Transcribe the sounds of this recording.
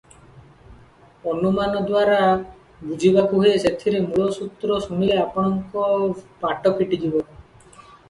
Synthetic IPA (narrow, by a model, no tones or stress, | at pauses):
ɔnumanɔd̪waɾa | bud͡ʒʱibakuɦeeset̪ʰiɾemuɭɔsut̪ɾɔsunileapɔɽ̃ɔŋkɔpaʈɔpʰiʈid̪ibɔ